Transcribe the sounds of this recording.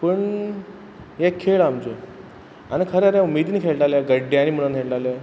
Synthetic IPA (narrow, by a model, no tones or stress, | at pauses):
pəɳ | ɦɛkʰeɭamd͡ʑe | anikʰəɾeaɾjãumid̪niːkʰeɭʈaljaɡəɖjaniməɽanʰeɭʈalja